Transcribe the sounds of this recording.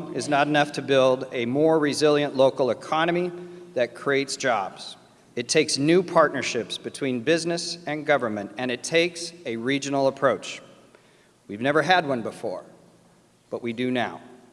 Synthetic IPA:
ɨznəɾɨnʌftʰɨbɪlˠdɨmɔɹɹɨzɪlˠjɨ̃nʔloʊkl̩ˠəkʰɑnɨmiðɨt̚kʰɹ̥ieɪtsd̥ʒ̥ɑbz̥ | ɨtʰeɪksnʉpʰɑɹtⁿnə˞ʃɪpsb̥ɨtʰw̥ĩnbɪznɨsɨ̃nɡʌvə˞mɨ̃ntɨ̃nɨtʰeɪksɨɹid͡ʒɨnl̩ˠəpʰɹ̥oʊt͡ʃ | wivnɛvə˞ɨd̚wʌ̃nbəfɔ̰ɹ | b̥ʌʔwidɨnaʊ

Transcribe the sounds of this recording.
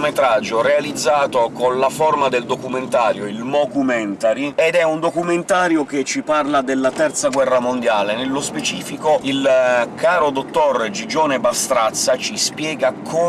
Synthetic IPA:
met̪ɾad͡ʒːorealid̪zːaːt̪okonlaformad̪eld̪okument̪aːɾjoilmɔkumɛnt̪aɾiɛd̪ɛund̪okument̪aːɾjok̟et͡ʃːiparlad̪elːat̪ɛrt̪saɡwɛrːamond̪jaːlenelːospet͡ʃiːfikoilkʰaːɾod̪ot̪ːɔrd͡ʒid͡ʒɔːnebast̪ɾat̪sːat͡ʃispjɛːɡakʰo

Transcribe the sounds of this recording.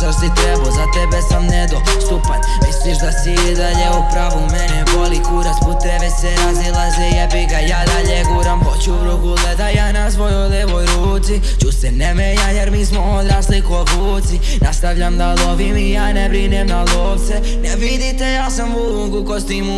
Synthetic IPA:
zasit̪ɾebozat̪ɛbesamned̪o | st̪upat̪ | mislˠiʃd̪asiid̪aʎeupɾaʋumɛnɛpolikuɾasput̪ebesɛɾazilazejɛbiɡajaːd̪aʎeɡuːɾamhot͡ʃubɾuɡuled̪ajaːnasʋojod̪eʋojɾuːt̪si | t͡ʃusɛnemejajeɾmiːsmood̪ɾaːslikovuːt̪si | nast̪aʋʎamd̪aloʋimijaːnebɾinemnaloːʋt̪se | nɛʋid̪it̪ejaːsamuluːɡukost̪imu

